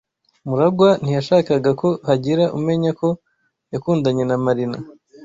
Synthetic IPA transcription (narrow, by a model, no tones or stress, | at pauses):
muɾaɡwan̥ijaʃaːkaɡako̞haɟiɾaʔume̞ɲako̞ | jakuːndaɲe̞namaɾina